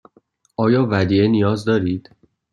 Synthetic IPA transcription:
ʔɒːjɒːvæd̪iːenijɒːzd̪ɒːɾiːd̪̥

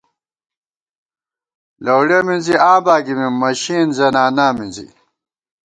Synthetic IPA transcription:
lɐwɽeminziãːbaːɡimimɐɕiːnzɐnaːnaːmĩnzḭ

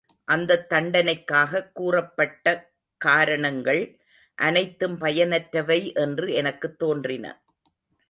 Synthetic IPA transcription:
ʔɐnd̪ɐt̪ːɐɳɖɐnɐɪkːaːɣɐkːuːrɐpːɐʈːɐ | kaːɾɐɳɐŋɡɐɭ | ʔɐnɐɪt̪ːɯmpɐjɐnɐʈɾɐʋɐɪʔɛndrɯɛnɐkːɯt̪ːoːndrɪnɐ̰

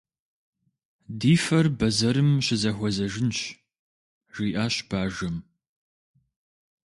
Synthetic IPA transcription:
diːfɐrbɐzɐɾɨmɕɪzɐxʷɔzɐʒɪnɕ | ʒ̥iːʔaːɕb̥aːʒɐm

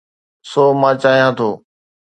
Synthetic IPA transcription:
soːmãːt͡ʃaːɦijãːt̪ʰoː

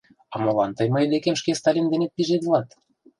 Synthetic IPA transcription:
ɑmŏlɑnt̪ɤjməjd̪ekemʃkest̪ɑlʲind̪enet̪̚piʒet̪vlɑt̪

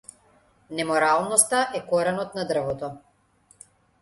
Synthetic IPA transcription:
nɛmɔɾalˠnɔst̪aʔɛkɔɾɛnɔt̪nad̪r̩vɔt̪ɔ

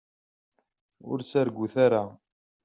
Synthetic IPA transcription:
ʊ̰ɾt͡sːaɾɡʷːuθaɾa

